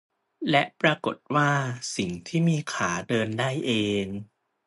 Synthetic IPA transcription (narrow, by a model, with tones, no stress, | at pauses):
lɛ˦˥ʔpɾaː˧ko˨˩t̪̚waː˥˩si˨˩ŋt̪ʰiː˥˩miː˧kʰaː˩˦dɤː˧ndaː˥˩jʔeː˧ŋ